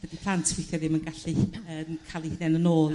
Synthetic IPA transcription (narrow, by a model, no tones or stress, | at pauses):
vədipʰl̥ˠantʰwɪθjɔðɪmənɡaɬiənkʰalˠihɪnɛnənoːl